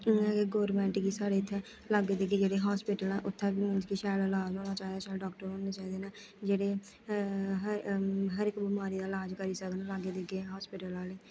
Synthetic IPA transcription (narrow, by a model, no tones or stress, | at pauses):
ɡeɡoːɾmɛ̃ːɳʈɡiːsaːɽeːt̪ʰːɛː | laːɡeːd̪eɡeːd͡ʒeːɽeːɦaːspɪʈəlnɛːʔʊt̪ʰːɛ̃ːbiːmɪ̃nd͡ʒkiːʃɛːlaːlaːd͡ʒoːnaːt͡ʃaːiːd̪aːʃaːɖɔːkʈəɾɦõːneːt͡ʃaːiːd̪eːnɛː | d͡ʒeːɽeː | ɦəɦəɾɪkbəmaːɾiːd̪aːlaːd͡ʒkəɾiːsəkd̪nãlaːɡeːd̪eɡeːɦɔːspɪʈəlaːleː